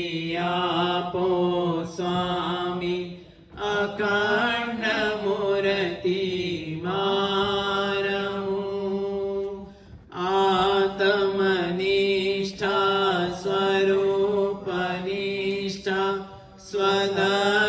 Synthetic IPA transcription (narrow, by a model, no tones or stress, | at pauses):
japosʋami | ɐkaɾɳɐmoɾɐt̪ima | ɾɐmu | aːt̪ɐmɐniʂʈʰaswɐɾupɐniʂʈʰa | sʋɐd̪ɐ